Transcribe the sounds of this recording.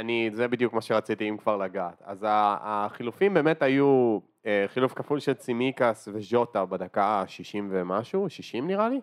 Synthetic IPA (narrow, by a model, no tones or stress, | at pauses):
anizebid̪jukmaʃeʁat͡sit̪iimkvaʁlaɡaːt̪a̰zaːχilufimbeːme̞taju | eχilufkafulʃelt͡simikasveʃo̞t̪abad̪akaʃiʃimvemaʃuʃiʃimniʁali